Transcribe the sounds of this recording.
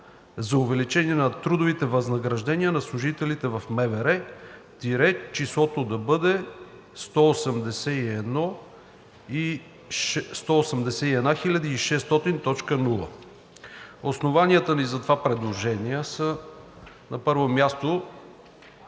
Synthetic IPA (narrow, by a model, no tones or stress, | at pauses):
zɐʊvɛlit͡ʃɛniɛnɐt̪ɾud̪ʊvit̪ɛvɐznɐɡɾɐʒd̪ɛniənɐslˠʊʒit̪ɛlit̪ɛvɐfmɛvɛɾɛt̪iɾɛt͡ʃislˠɔt̪od̪ɐbɤd̪ɛ | st̪ɔːsəmd̪ɛsɛiɛd̪nɔ | i | st̪ɔosəmd̪ɛsɛiɛd̪naxilʲɐd̪iːʃɛst̪ɔt̪int̪ɔt͡ʃkənulˠə̰ | osnovaniət̪ənizɐt̪ovapɾɛd̪lˠoʒɛniəsə | nɐpɤɾvomʲjast̪o